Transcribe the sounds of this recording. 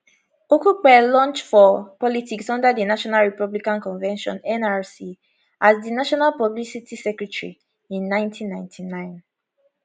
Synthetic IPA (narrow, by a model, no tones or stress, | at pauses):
okuk͡pɛlɔ̃nt͡ʃfɔpɔlitiksɔ̃ndadinaʃɔnalɹipɔblikãnkɔ̃nvɛ̃nʃɔ̰̃nɛ̃naɹsi | ʔasdinaʃɔnalpɔblisitisɛkɹɛtɹḭ | ĩnːãɪ̃ntʰĩnːãɪ̃ntʰinãɪ̃n